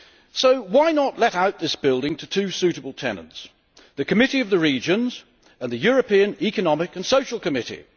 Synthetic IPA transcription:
soʊwaɪnəʔˡlɛɾaʊt̪̚ðɪsb̥ɪlˠdɪ̃ŋtʰɨtʰʉsʉɾəbəl̩ˠtʰɛ̰nə̰̃nts | ðɨkʰɨmɪɾiʌvðɨɹid͡ʒɨ̃nz | ə̃nðɨjɔɹɨpĩɨ̃nikɨnɑmɪkɨ̃nsoʊʃəl̩ˠkɨmɪɾḭ

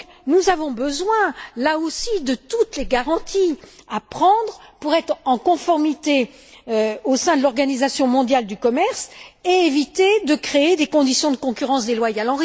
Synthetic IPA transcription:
nuzavɔ̃bəzwɛ̃laosid̪ət̪ut̪leɡaʁɑ̃t̪ʰiapχɑ̃d̪ʁpuʁɛt̪χɑ̃kɔ̃fɔʁmit̪e | øosɛ̃d̪əlɔʁɡanizasjɔ̃mɔ̃d̪jald̪ykɔmɛʁseevit̪ed̪əkχeed̪ekɔ̃d̪isjɔ̃d̪əkɔ̃kʲyʁɑ̃sd̪elwajalɑ̃ʁi

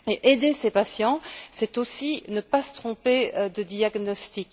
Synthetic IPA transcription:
eʔed̪esepasjɑ̃sɛt̪osinəpasə̥t̪χɔ̃ped̪əd̪iaɡnɔst̪ik

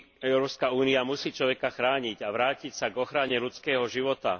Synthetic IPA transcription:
ɛʊɾɔːpskauːniamusiːt͡ʃlɔʋɛkaxɾaːɲiɟaʋɾaːcicsaɡɔxɾaɲɛʎut͡skɛːɦɔʒiʋɔt̪a̰

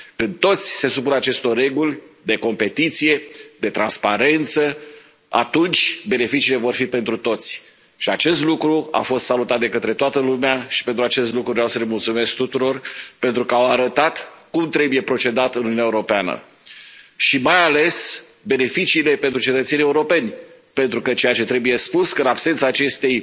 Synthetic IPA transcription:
kɨnd̪̚t̪o̞t̪sʲse̞supunat͡ʃe̞st̪o̞rrːe̞ɡulʲd̪e̞ko̞mpe̞t̪it̪sije̞d̪e̞t̪ɾanspaɾe̞nt̪sə | a̰t̪unt͡ʃʲbe̞ne̞fit͡ʃiːle̞vo̞rfipe̞nt̪ɾut̪o̞t̪sʲ | ʃiat͡ʃe̞st̪lukɾua̰fo̞st̪salut̪at̪̚d̪e̞kət̪ɾe̞t̪oat̪əlumeaʃi̥pent̪ɾuat͡ʃe̞st̪lukɾuvoɾawsəle̞mult̪sume̞sk̚t̪ut̪uɾo̞rpe̞nt̪ɾukəawaɾət̪at̪kumt̪ɾe̞buje̞pɾo̞t͡ʃe̞d̪at̪ɨnununaeuɾo̞peanə̰ | ʃimajale̞sbe̞ne̞fit͡ʃiːle̞pe̞nt̪ɾut͡ʃe̞t̪ət̪seniːeuɾo̞pe̞nʲ | pe̞nt̪ɾukət͡ʃe̞jat͡ʃe̞t̪ɾe̞buje̞spuskəɨnabsent̪saːt͡ʃe̞st̪e̞j

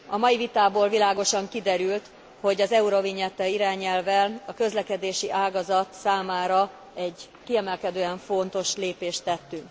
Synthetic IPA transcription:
ɒmɒjivit̪aːboːlvilaːɡo̞ʃɒŋkid̪ɛɾylt̪ | ho̞ɟɒzɛuɾo̞viɲɛt̪ːɛiɾaːɲɛlvɛlɒkø̞zlɛkɛd̪eːʃiʔaːɡɒzɒt̪saːmaːɾɒ | ɛɟ | kiɛmɛlkɛd̪øːɛɱfo̞nt̪o̞ʃleːpeːʃt̪ːɛt̪ːyŋk

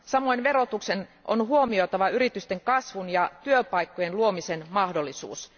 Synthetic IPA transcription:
sɑmo̞jnʋe̞ɾo̞t̪ukse̞no̰nɦuo̞mio̞t̪ɑʋɑyɾit̪yst̪e̞ŋkɑsʋunjɑt̪yøpɑjkːo̞je̞nluo̞mise̞nmɑhdo̞lːisṵːs

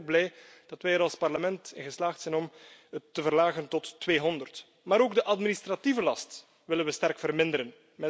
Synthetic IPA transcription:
ɡ̚blɛj | d̥ɑtʋɛjəɾɑlˠspɑrləmɛntɪnɣəslaːxtsɛnɔmətːəvərlaːɣəntɔtːʋeːɦɔndərt | maːɾoːɡdəʔɑtministrativəlɑst | ʋɪlənʋəstɛrkfərmɪndəɾən | mɛ

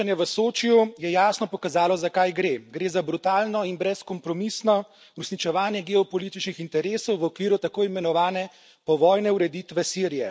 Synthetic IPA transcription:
anjɛʋəsoːt͡ʃijujɛjaːsnɔpɔkazaːlɔzakajɡɾeːɡɾeːzabɾut̪aːlnɔinbɾɛskɔmpɾɔmisnɔ | ɾusnit͡ʃɛʋaːnjɛɡɛɔpɔlit̪it͡ʃnixint̪ɛɾeːsɔwʋɔkʋiːɾut̪akoːjimɛnɔʋaːnɛ | pɔʋɔːjnɛuɾɛd̪iːt̪ʋɛsiɾijɛ

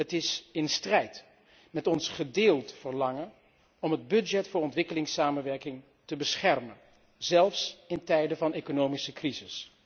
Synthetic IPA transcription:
ɦətɪsɪnstrɛjt | mɛtɔnsχədɪːlˠtfəɹlɑŋən | ɔmɦəd̚bɵd͡ʒɛtfʊːɹɔntʋɪkəlɪŋsaːmənʋɛɹkɪŋ | təbəsχɛrmən | z̥ɛlˠfsɪntɛjdəvɑnejkonowmisəkrizɪs

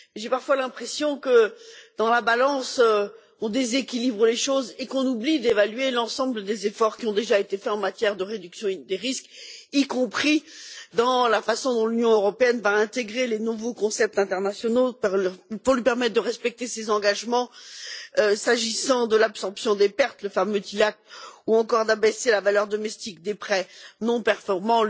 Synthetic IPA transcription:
ʒepaʁfwalɛ̃pχesjɔ̃kəd̪̥ɑ̃labalɑ̃sø | ɔ̃d̪ezekʲilibʁəleʃozekɔ̃nublid̪evalɥelɑ̃sɑ̃bləd̪ezefɔʁkʲiɔ̃d̪eʒaet̪efɛɑ̃mat̪jɛʁd̪əʁed̪yksjɔ̃d̪eʁiskikɔ̃pχid̪ɑ̃lafasɔ̃d̪ɔ̃lynjɔ̃øʁɔpeɛnvaɛ̃t̪eɡʁelenuvokɔ̃sɛp̚t̪ɛ̃t̪ɛʁnasjɔnopfuɔlɥipɛʁmɛt̪̚d̪əʁɛspɛk̚t̪esezɑ̃ɡaʒmɑ̃ | øsaʒisɑ̃d̪əlapsɔʁpsjɔ̃d̪epɛʁt̪ləfamøt̪ilak̚t̪uɑ̃kɔʁd̪abeselavalœʁd̪ɔmɛst̪ikd̪epχɛnɔ̃pɛʁfɔʁmɑ̃

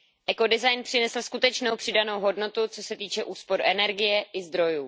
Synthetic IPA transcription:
ʔɛko̞dɪzajnpr̥ɪnɛsl̩skut̪ɛt͡ʃnowpr̝̥ɪdano̞wɦo̞dno̞t̪ut͡so̞sɛt̪iːt͡ʃɛʔuːspo̞ɾuʔɛnɛɾɡɪjɛʔɪzd̪ɾo̞juː

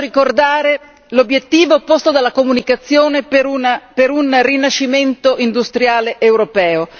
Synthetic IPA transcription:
ɾikord̪aːɾe | lobjet̪ːiːvoːpːost̪od̪alːakomunikat̪sːjoːnepunapeɾunrinat͡ʃːiment̪oʔind̪ust̪ɾjaːleʔewɾopɛːo

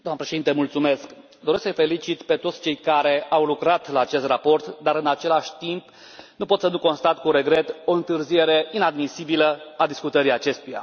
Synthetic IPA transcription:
d̪oamnəpɾeʃeint̪emult̪sume̞sk | d̪oɾe̞sksəjfe̞lit͡ʃit̪pe̞t̪o̞t̪sʲt͡ʃe̞jkaɾe̞awlukɾat̪laːt͡ʃe̞st̪rapo̞rt̪d̪aɾɨnat͡ʃe̞laʃʲt̪imp | nupo̞t̪sənuko̞nst̪at̪kuɾe̞ɡɾe̞t̪o̞ɨnt̪ɨrzije̞ɾe̞inad̪misibiləad̪iskut̪əɾiat͡ʃe̞st̪uja̰

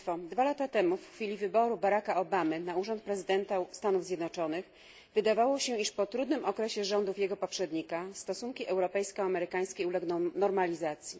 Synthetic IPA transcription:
fɔd̪valat̪at̪ɛmufxfʲilʲivɘbɔɾubaɾakaɔbamɘnauʐɔnt̪̚pɾɛzɘd̪ɛnt̪ast̪anuvzʲjɛd̪nɔt͡ʂɔnɘx | vɘd̪avawɔɕɛiʂpɔt̪ɾud̪nɘmʔɔkɾɛɕɛʐɔnd̪ufjɛɡɔpɔpʂɛd̪ɲikast̪ɔsuŋkʲiʔɛwɾɔpɛjskɔamɛɾɘkaj̃skʲejulɛɡnɔ̃nɔɾmalʲizat̪sʲji

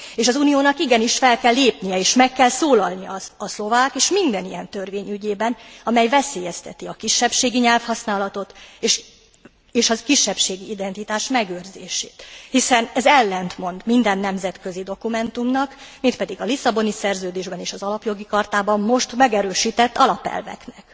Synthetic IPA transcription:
eːʃɒzunijoːnɒkiɡɛniʃfɛlkɛlːeːpnijɛeːʃmɛkːɛlsoːlɒlnijɒ̰ɒslo̞vaːkeːʃmind̪ɛnijɛnt̪ø̞rveːɲyɟeːbɛnɒmɛjvɛseːjɛst̪ɛt̪iɒkiʃːɛpʃeːɡiɲɛlfhɒsnaːlɒt̪o̞t̪ːʃ | eːʃɒkiʃːɛpʃeːɡiid̪ɛnt̪it̪aːʃmɛɡøːrzḛːʃḛːt̪hisɛnɛzɛlːɛnt̪mo̞nd̪mind̪ɛnːɛmzɛt̪kø̞zid̪o̞kumɛnt̪umnɒkmit̪̚pɛd̪iɡɒlisːɒbo̞nisɛrzøːd̪eːʒbɛneːʃɒzɒlɒpjo̞ɡikɒrt̪aːbɒmmo̞ʃt̪mɛɡɛɾøːʃiːt̪ɛt̪ːɒlɒpɛ̰lvɛ̰knɛk

